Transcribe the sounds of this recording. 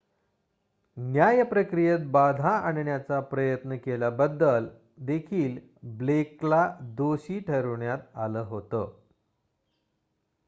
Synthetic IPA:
njajəpɾəkɾijət̪̚bad̪ʱaaɳɳjat͡sapɾəjət̪nəkelabəd̪ːəl | d̪ekʰiːl | bleklad̪oɕiːʈʰəɾʋɳjat̪aləːɦot̪ə

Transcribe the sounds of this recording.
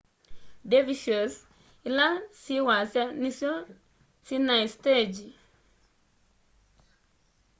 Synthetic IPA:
deviʃos | ilasiwasjaniso | sinajsted͡ʒi

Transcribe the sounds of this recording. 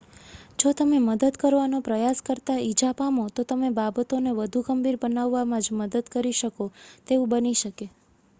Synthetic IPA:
d͡ʒot̪əmeməd̪əd̪kəɾʋanopɾəjaskəɾt̪aid͡ʒapamot̪ot̪əmebabət̪oneʋəd̪ʱuɡəmbiɾbənaʋːamãd͡ʒməd̪əd̪kəɾiʃəkot̪eũbəniʃəke

